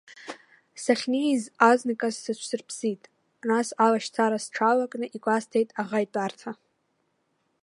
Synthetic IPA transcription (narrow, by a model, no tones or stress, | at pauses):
saχʲnizaznɨkʼazːɨt͡ʃʷʰsɨrpʰsitʼ | nasalaʃt͡sʰaɾasʈ͡ʂʰalakʼnɨʔikʷʼastʰejtʼaʁajtʼartʰa